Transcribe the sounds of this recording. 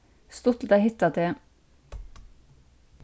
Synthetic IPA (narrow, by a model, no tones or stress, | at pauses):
st̪ʊt̪əd̪æɪhɪt̪ɑt̪eː